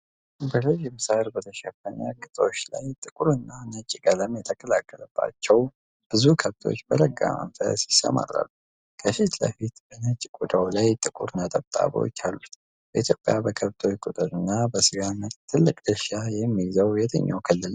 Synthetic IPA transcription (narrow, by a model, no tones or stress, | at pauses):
bəlɨʒmɨsahəɾbət̪ʰəʃəfəɲa̰kʼɨt̪ʼo̞t͡ʃːla̰jt̪ʼɨkʼuɾɨnːanət͡ʃʼːɡʼələmjɛt̪ʰəkʼʰəlakʼːələb̥ːa̰t͡ʃːɛw | b̥ɨzukʰəβt̪ʰo̞̰t͡ʃːbələɡːa̰mə̰nfə̰sjɪsːə̰ma̰ra̰lːu | kʰəfit̪lə̰fit̪b̥ənət͡ʃʼkʼud̪awlajt̪ʼɨkʼuɾnat̪ʼəβt̪ʼa̰βo̰t͡ʃːalːut̪ | b̥əʔit̪ʰjo̞pʼjabəkʰəβt̪ʰo̞t͡ʃkʼut̪ʼəɾɨnːabəsɨɡanət͡ʃt̪ʰɨlːɨkʼd̪əʃajɛmːizəwjɛt̪ʰə̰ɲːawkʰəlːɨl